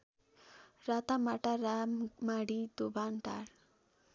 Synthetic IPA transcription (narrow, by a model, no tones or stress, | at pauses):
rat̪amaʈaɾammaɽid̪obanʈa̰ɾ